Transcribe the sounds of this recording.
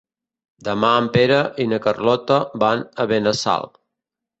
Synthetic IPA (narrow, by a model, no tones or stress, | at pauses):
d̪əmaəmpeɾəʔinəkərlɔt̪əbanəβenəsa̰lˠ